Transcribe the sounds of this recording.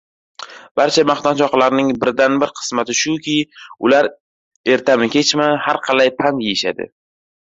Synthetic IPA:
b̥aɾt͡ʃʰamaχnat̪t͡ʃʰɒqlaɾnɪŋbɪɾd̪anbɪɾqʰɨ̥smat̪ɪʃʊkʲʰɪʊlaɾ | e̞ɾt̪ʰamɪkʲʰe̞t͡ʃmahaɾqʰɑlajpʰant̪jejɪʃad̪ɪ̰

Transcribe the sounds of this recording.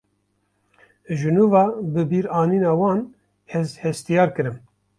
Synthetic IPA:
ʒɨnuːvɑːbɨbiːɾɑːniːnɑːwɑːn | hɛzhɛst̪ijɑːɾkɨɾɨm

